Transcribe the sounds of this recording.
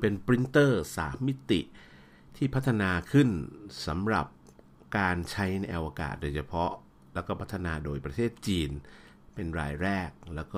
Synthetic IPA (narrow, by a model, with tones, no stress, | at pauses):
pe˧npɾi˦˥nt̪ɤː˥˩sa̰ː˩˦mːi˦˥t̪ḭ˨˩ʔ | t̪ʰiː˥˩pʰa˦˥t̪ʰːa˧naː˧kʰɯ˥˩nsa̰˩˦mɾa̰˨˩p̚ | kaː˧nt͡ɕʰa˦˥jna˧jʔa˧wa˧ka̰ː˨˩t̪̚doː˧jt͡ɕʰa˧pʰɔ˦˥ʔ | lɛː˦˥wkɔː˥˩pʰa˦˥t̪ʰːa˧naː˧doː˧jpɾa˧t̪ʰeː˥˩t̪̚t͡ɕiː˧n | pe˧nɾa̰ː˧jɾɛː˥˩k̚lɛː˦˥wkɔː˥˩